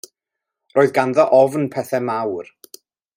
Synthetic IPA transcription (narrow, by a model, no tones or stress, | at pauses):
rʔoːɨðɡanðɔʔɔvnpʰɛθɛmawr